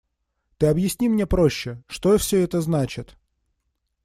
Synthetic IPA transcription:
t̪ɨɐbjɪsʲnʲimnʲe̞pɾo̞ɕːɪʂt̪ofsʲɵɛt̪əznat͡ɕɪt̪

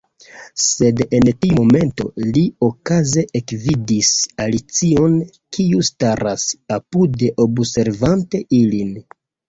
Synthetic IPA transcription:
se̞de̞ntiuome̞nto̞̰lio̞kaze̞ʔekvidisalit͡sio̞n | kiustaɾasapude̞ʔo̞bse̞ɾvante̞ʔilin

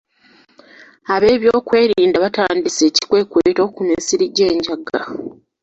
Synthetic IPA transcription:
aβe̞ːβjo̞ːkwe̞ːɾiːndaβataːndise̞ːci̥kwe̞kweto̞ːkuneːsiɾiɟeːɲɟaɡa

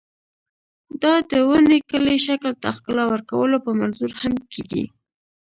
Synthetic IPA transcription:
d̪ɑd̪əwənekəleʃaklt̪axkəlɑwəɾkawəlopəmanzuɾhamkʰeɡḭ

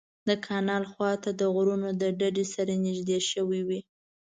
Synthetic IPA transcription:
d̪əkʰɑnɑlxwɑt̪ad̪əɣɾunod̪əɖaɖesaɾanɪʒd̪eʃəwiwi

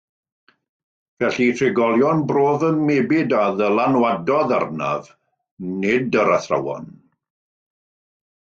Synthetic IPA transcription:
vɛɬitʰrɪɡɔlˠjɔnbroːðənmebɪdaðəlanwadɔða̰rna̰v | nɪdəɾaθra̰wɔ̰n

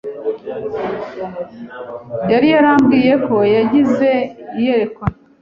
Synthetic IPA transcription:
jaɾijaɾaːmbɡiːje̞ko̞jaɟize̞ijeɾekwa

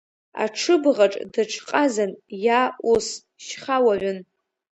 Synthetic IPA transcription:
a̰ʈ͡ʂʰɨbʁaʈ͡ʂʼdaʈ͡ʂʰqʼazanjaːʔus | ʃχawaʕʷʊn

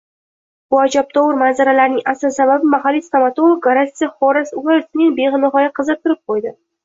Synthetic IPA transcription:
b̥ʊad͡ʒap̚t̪ʰɒwɨɾmanzaɾalaɾnɪŋʔasasababɪmaɦalːist̪amat̪olˠokɾasiχoɾasʊat̪ɪnɪŋbeʁɨnɪɦɒjaqʰɨzɨp̚t̪ɪɾɪp̚qʰojd̪ɪ

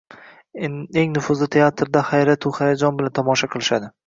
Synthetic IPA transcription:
eŋnʊfʊzlɪt̪ʰe̞at̪ʰɾd̪ahajɾat̪ʰʊhajad͡ʒɒnbɪlant̪ʰɒmɒʃaqʰɨlˠɪʃad̪ɪ

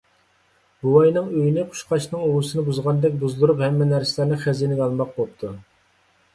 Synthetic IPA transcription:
b̥uwɑjnɨŋøjinɪqʰʊ̥ʃqʰɑʃnɨŋowusɨnɨbuzʁɑnd̪ɛk̚ʲbuzd̪uɾuphɛmːɛnæɾsɪlæɾnɨχæzinɪɡ̪ɑlˠmɑq̚bop̚t̪ʰu

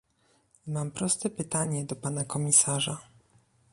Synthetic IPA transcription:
mampɾɔst̪ɛpɘt̪aɲɛd̪ɔpanakɔmʲisaʐa

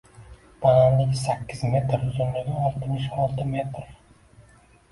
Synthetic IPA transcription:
b̥ananlɪɡʲɪsakʲːɪzme̞t̪ɾzʊnlɪɡʲaɒɾt̪ʰɪnɪʃɒlˠt̪ʰɪme̞t̪ɾ

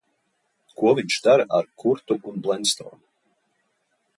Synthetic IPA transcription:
kuɔviɲt͡ʃd̪aɾʔaɾkʰuɾt̪uʔunblˠɛnst̪o̰ːnu

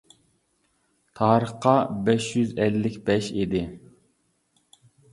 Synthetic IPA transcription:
t̪ʰɑːɾəχqɑbɛʃjyzɛlːɪkʲbɛʃid̪ɪ

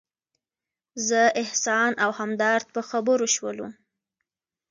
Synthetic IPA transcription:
zəɪhsɑnawhamd̪ɑɾt̪̚pəxabəɾoʃwəlṵ

